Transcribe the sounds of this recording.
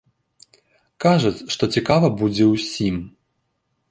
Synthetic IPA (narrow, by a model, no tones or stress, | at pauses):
kaʐɐt͡sʲʂt̪ɔt͡sʲikavɐbud͡zʲɛwsʲim